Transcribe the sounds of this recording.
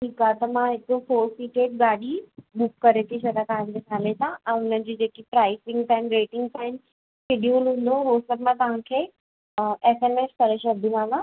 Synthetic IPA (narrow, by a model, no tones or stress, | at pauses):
ʈʰiːkaːt̪ɐmãɦɪkɾopʰoːɾsikeːʈ̚ɠaːɗiɓʊkːɐɾet̪ʰĩsɐd̪at̪aːɦndesʰaːlesãɛ̃ːʊnənɪ̆d͡ʑiːd͡ʑeːkipɾaːɪsɪ̃ŋɡtaːɪnɾeːʈɪ̃ŋɡt̪aːɦɪnɪ̆ | sɪɖjuːlɦũːn̆d̪oɦosɐbʱɪmãt̪ɐʋ̤ãkʰeː | əʔeːseːmeːskɐɾeʃɐd̪ʱĩʋãːã